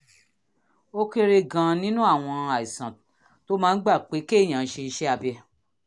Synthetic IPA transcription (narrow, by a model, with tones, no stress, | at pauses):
o˦ke˦ɾe˧ɡã˨˧nĩ˦nũ˦a˦˨w̃ɔ̃˧a˨i˨sã˨ | to˨˦mãː˦n̩˦ɡ͡ba˦˨k͡pe˨˦ke˦˨j̃ã˨˦ʃe˧˦ʃɛ˦a˧bɛ˧